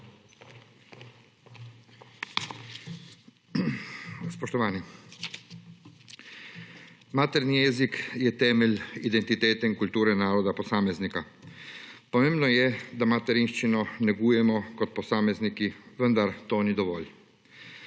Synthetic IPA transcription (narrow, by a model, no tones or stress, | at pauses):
spɔʃt̪ɔʋaːni | maːt̪ɛɾnijɛzikjɛt̪ɛːmɛlid̪ɛnt̪it̪eːt̪ɛiŋkult̪uːɾɛnaːɾɔd̪apɔsaːmɛznika | pɔmẽːmbnɔjɛd̪amat̪ɛɾinʃt͡ʃinɔnɛɡuːjɛmɔkɔt̪̚pɔsaːmɛznikiʋənd̪aɾt̪oːnid̪ɔʋɔːl